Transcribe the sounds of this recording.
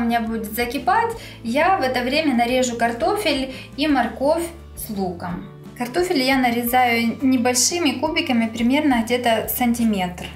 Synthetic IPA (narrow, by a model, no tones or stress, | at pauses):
mʲnʲabudʲɪt̪zɐkʲɪpatʲ | javɛt̪əvɾʲemʲənɐɾʲe̞ʐʊkɐrt̪o̞fʲɪlʲ | imɐrko̞fʲ | slˠukəm | kɐrt̪o̞fʲɪlʲjanəɾʲɪzajʊnʲɪbɐlʲʂɨmʲɪkubʲɪkəmʲɪpɾʲɪmʲe̞rnəɣdʲe̞t̪əsɐnʲtʲɪmʲe̞t̪r